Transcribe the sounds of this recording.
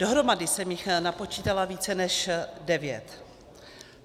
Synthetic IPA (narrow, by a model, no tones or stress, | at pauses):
d̥o̞ɦɾo̞madɪsɛmjɪxnapo̞t͡ʃiːt̪alaviːt͡sɛnɛʃdɛvjɛt̪